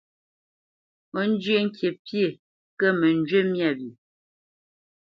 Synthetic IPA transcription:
o˦n̩˦d͡ʒɥe˦ŋ̩˦kje˨pje˨ | kə˦mə˨n˦d͡ʒɥe˦mja˦˨bi˨

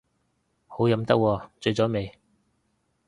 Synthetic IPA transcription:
ho˨˥wjɐ˨˥mt̪ɐ˥k̚wɔː˧t͡sɵ˧ɥt͡sɔː˨˥me˨˧j

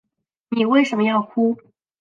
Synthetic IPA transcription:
ni˨˩we˥˩ɪʂə˧˥nmə˧jɑ˥˧ʊkʰu˥

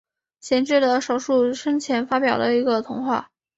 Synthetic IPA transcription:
ɕjɛ˧˥nʈ͡ʂɻ̩˥˩d̪ə˩ʂo˨˩ʊʂu˥˩ʂɤ˥ŋt͡ɕʰjɛ˧˥nfa˥pjɑ˨˩ʊd̪ə˦i˧˥ɡə˧t̪ʰʊ˧˥ŋxwa̰˥˩

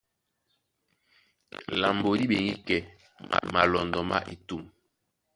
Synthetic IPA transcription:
la˨mbo˨ɾi˦ɓe˨ŋi˦kɛ˨ | ma˨lɔ˨ndɔ˨ma̰˦ʔḭ˨tu˦˨m

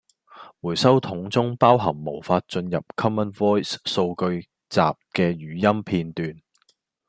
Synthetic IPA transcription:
wuː˨˩jsɐ˥wt̪ʰʊ˨˥ŋt͡sʊ˥ŋpaː˥wɦɐ˨˩ŋmo˨˩wfaː˧t̚t͡ʃɵ˧njɐ̰˨p̚kʰɐ˥mɐ˥nvɔː˥jsso˧wkɵ˧ɥ | t͡sa̰ː˨p̚kɛː˧jyː˨˩jɐ˥mpʰiː˧nt̪yː˨˧n

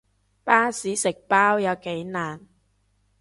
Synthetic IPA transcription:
paː˥siː˨˥sɪ˨k̚paː˥wjɐ˨˧wke˨˥jnaː˨˩n

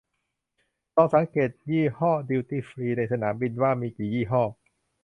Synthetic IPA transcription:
t̪ɔː˧˩ŋsa˩˦ŋkeː˨˩t̪̚jiː˥˩hɔː˥˩di˧wt̪iː˥˩fɾiː˧na˧jsa˧naː˩˦mbi˧nwaː˥˩miː˧kiː˨˩jiː˥˩ɦɔː˥˩

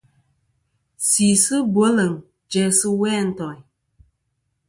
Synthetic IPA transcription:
si˨sɨ˦bwo˨˦lə˨ŋ | d͡ʒɛ˨sɨ˦wɛː˦˨n̩˨tɔ˨

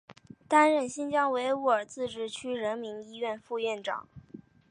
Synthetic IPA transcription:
t̪a˥nɻə˥˩nɕi˥nt͡ɕjɑ˥ŋwe˧˥ɪu˥˩ə˞˨˩t͡sɹ̩˥˧ʈ͡ʂɻ̩˥˩t͡ɕʰy˥ɻə˧˥nmi˧˥ni˥ɥɛ˥˧nfu˥˧ɥɛ˥˩nʈ͡ʂɑ̰˨˩˦ŋ

